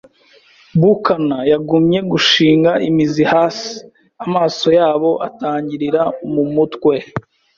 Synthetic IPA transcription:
bukanajaɡumɲe̞ɡuʃiːŋɡaʔimizihaːsi̥ | amaːso̞jaːβo̞ʔataːɲɟiɾiɾamumutkwe̞

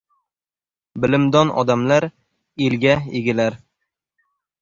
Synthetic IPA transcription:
bɪlɪmd̪ɒnʔɒ̰d̪amlaɾ | elɡʲaeɡʲɪlaɾ

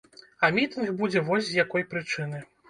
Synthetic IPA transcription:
ɐmʲit̪ɨnxbud͡zʲɛvɔsʲzʲjakɔjpɾɨt͡ʂɨnɨ

